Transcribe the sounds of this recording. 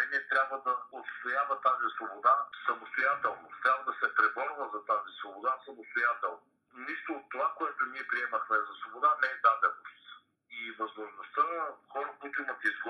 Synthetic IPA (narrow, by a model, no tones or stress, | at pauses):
ɛnʲiɛt̪ɾʲabvəd̪ɐot̪st̪ojavɐt̪azisvobod̪asɐmost̪ojat̪ɛlˠnot̪ɾʲabvəd̪ɐsɛpɾɛbɔɾvəzɐt̪azisvobod̪asɐmost̪ojat̪ɛlˠno | niʃt̪oːt̪ːovakoɛt̪ʊniɛpɾiɛməxmɛzɐsvobod̪anɛɛd̪ad̪ɛnost̪ | ivɐzmoʒnost̪ənxɔɾɐkujt̪ʊimɐt̪izɡ